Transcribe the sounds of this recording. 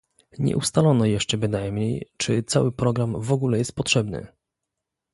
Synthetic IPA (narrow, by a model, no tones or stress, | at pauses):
ɲɛ̰ʔṵst̪alɔnɔjɛʂt͡ʂɛbɘnajmɲejt͡ʂɘt̪sawɘpɾɔɡɾamvɔɡulɛjɛst̪̚pɔtʂɛbnɘ̰